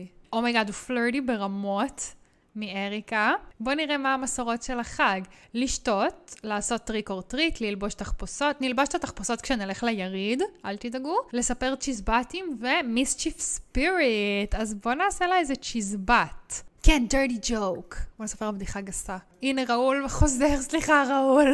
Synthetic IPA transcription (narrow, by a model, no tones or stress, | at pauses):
ʔomajɡadufløɹdibe̞ʁamo̞t | mieʁikabo̞niʁemaːmasoʁo̞tʃelaχaɡliʃto̞tlaːso̞tːʁiko̞ʁtʁitlilbo̞ʃtaχposo̞tnilbaʃtataχposo̞tkʃenileχlejaʁidʔalt̪idaɡule̞sape̞ʁt͡ʃizbatimvemist͡ʃifspiɹitazbo̞naːselaezet͡ʃizbatkɛndɛ˞ɾid͡ʒowkbolesapbd̪iχaɡasa | ineʁaulveχo̞zeʁsliχaʁaul